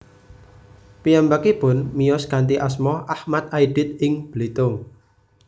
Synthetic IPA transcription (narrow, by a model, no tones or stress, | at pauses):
piambakib̥ʊnmijɔskant̪iʔasmɔʔahmat̪ajɖ̥ɪ̤t̪̚ɪŋb̥lit̪ʊŋ